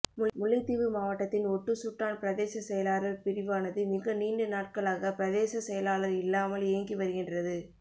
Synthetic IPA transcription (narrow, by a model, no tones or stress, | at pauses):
mmʊɭːɐɪt̪ːiʋɯmaːʋɐʈːɐt̪ːɪnɔʈːɯsuʈraːnpɪɾɐðeːsɐsɛjɐlaːɾɐlpɪɾɪʋaːnɐðɯmɪɣɐniːɳɖɯnaːʈ̚kɐɭaːɣɐpɪɾɐðeːsɐsɛjɐlaːlɐɾɪlːaːmɐleːŋɡiʋɐɾɯɣɪndrɐðɯ